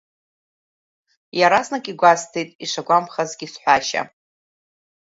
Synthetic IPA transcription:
jaɾasnakʼiɡʷastʰejtʼiʂaɡʷampχazɡʲisħʷaʃa̰

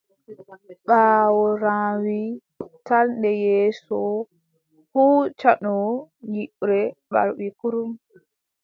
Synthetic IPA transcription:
ɓaːwɔɾaːwi | tanɗɛjɛːsɔ | huːt͡ʃaɗɔjiʔɾɛɓa̰ɾbikuɾum

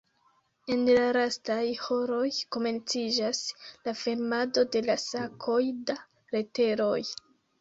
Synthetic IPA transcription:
e̞nlaɾastajho̞ɾo̞jko̞me̞nt͡sid͡ʒaslafeɾmado̞de̞lasakʰo̞jda | ɾe̞te̞ɾo̞̰j

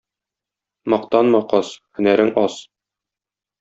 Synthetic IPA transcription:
mɒqt̪ɑnmɑqɒshɵ̆næɾɘŋɒs

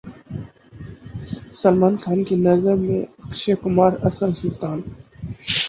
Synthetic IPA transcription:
sɐlmaːnkʰaːnkinɐzəɾmḛ̃ɐkʃekʊmaːɾɐ̰səɾsʊlt̪aːn

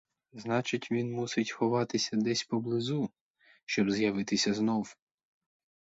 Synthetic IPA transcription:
znɑt͡ʃɪtʲʋʲinmusɪtʲxɔʋɑt̪ɪsʲɐd̪ɛsʲpɔblˠɪzu | ʃt͡ʃɔbzjɐʋɪt̪ɪsʲɐznɔw

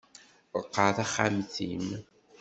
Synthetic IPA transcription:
əqːəθaχamθim

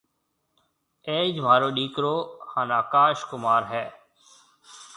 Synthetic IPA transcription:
eːd͡ʒmaːɾoːɗiːkɾoːhaːnaːkaːʃkʊmaːɾɦɛː

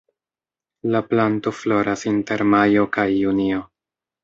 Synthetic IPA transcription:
laplanto̞flo̞ɾasinte̞ɾmajo̞kajːunio̞

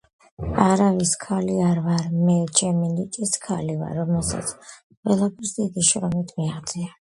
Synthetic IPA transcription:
aɾaviskʰaliaɾvaɾmɛt͡ʃʰɛminit̪ʼiskʰaliva̰ɾɔmɛlˠsa̰t̪sʰ | qʼwɛlˠapʰɛɾsd̪id̪iʃɾɔmit̪ʰmiaʁd̪z̥ʼia

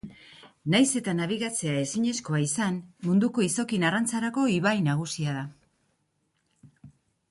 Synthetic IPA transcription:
najse̞t̪anaβ̞iɣat͡se̞ae̞siɲe̞sko̞aisanmund̪uko̞iso̞kinarant͡saɾako̞iβajnaɣ̞usiaða

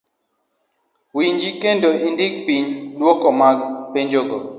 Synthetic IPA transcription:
wiɲd͡ʒikendoindɪk̚piɲlwɔkɔmaɡpeɲd͡ʒoɡo

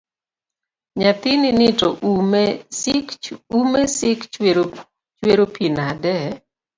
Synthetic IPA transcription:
ɲat̪ɪnɪnɪtɔʔum | kumesɪk | t͡ʃweɾopʰinadɛ

